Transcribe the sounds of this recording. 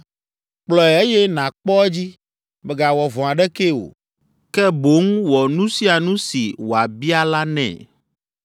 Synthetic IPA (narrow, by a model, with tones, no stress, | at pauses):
k͡plɔ˨ɛ˨e˦jɛ˦nã˨k͡pɔ˦e˦d͡ʑi˦ | bɛ˨ɡa˨wɔ˨vɔ̃˨a˨ɖɛ˦ke˦o̰˨ | kɛ˦bo˦ŋ˦wɔ˨nũ˦si˦a˨nũ˦si˨wo˨a˨bi˦a˦la˦nɛ̰̃˨